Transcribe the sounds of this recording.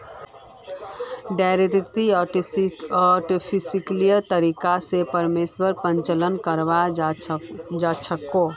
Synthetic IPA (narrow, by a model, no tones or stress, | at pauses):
ɖaɾet̪it̪i | ɔʈopʰisiklijət̪əɾikasepəɾmeswəɾpə̃ɲt͡ʃələnkəɾʋa | d͡ʒat͡ʃʰəkːo